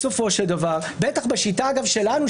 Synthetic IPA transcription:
so̞fo̞ʃeld̪avaʁbe̞t̪aχbaʃitaːɡavʃe̞lanu

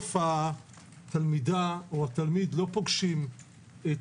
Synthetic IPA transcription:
fa | t̪almidaoat̪almid̪lo̞po̞ɡʃim | et

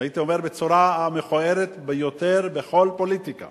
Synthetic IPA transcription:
ait̪io̞me̞ʁbet͡soɾaameχoe̞ʁet̪bejo̞t̪e̞ʁbe̞χo̞lpo̞lit̪ika̰

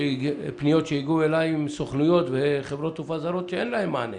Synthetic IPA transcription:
eipnijo̞t̪ʃeiɡuelajimsoχnujo̞t̪veχevɾo̞t̪ufazaɾo̞t̪ʃeenlahemːaːne

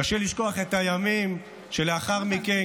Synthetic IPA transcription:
aʃeliʃko̞aχe̞tajamim | ʃeleaχaʁmike

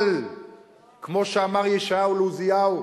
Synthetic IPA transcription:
l | kmo̞ʃeamaʁjeʃaauluzijau

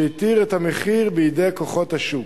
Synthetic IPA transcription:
it̪iʁet̪hameχiʁbeidejko̞χo̞t̪haʃu

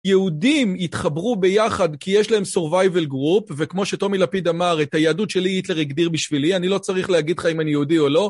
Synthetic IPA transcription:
jeudimitχabʁube̞jaχadkijeʃlahe̞msoʁvajvelɡʁupvekmo̞ʃe̞to̞milapidamaʁetajaːdutʃe̞liitleʁiɡdiʁbiʃvilianilo̞t͡saʁiχleɦaɡidlχaimanijeudio̞lo̞

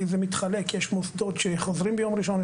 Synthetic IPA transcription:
zemit̪χalekjeʃmosd̪ot̪ʃeχozɾimbejomɾiʃon

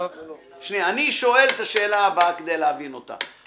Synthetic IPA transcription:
ʃnianiʃo̞e̞let̪aʃe̞ːlabaked̪ejleavinot̪a̰

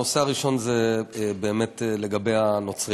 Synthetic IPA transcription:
oseaʁiʃo̞nzebe̞ːmetle̞ɡabe̞jano̞t͡sʁi

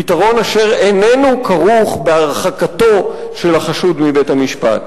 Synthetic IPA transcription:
itaʁo̞naʃe̞ʁenenukʰaʁuχbe̞aʁχakato̞ | ʃe̞lhaχaʃudmibe̞thamiʃpa̰t

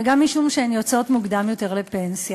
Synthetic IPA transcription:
ɡamːiʃumʃeenjo̞t͡so̞tmuɡd̪amjo̞te̞ʁlepensja

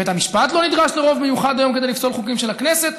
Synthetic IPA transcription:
et̪amiʃpat̪lo̞nid̪ʁaʃleʁo̞vmejuχad̪ajo̞mked̪elifso̞lχukimʃe̞lakneset̪

